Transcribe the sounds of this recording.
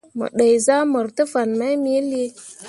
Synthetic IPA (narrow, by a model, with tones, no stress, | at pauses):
mə̰˨ɗə˨jza˦mə˨ɾtə˦fa˨nma˦jmi˦e˦le˦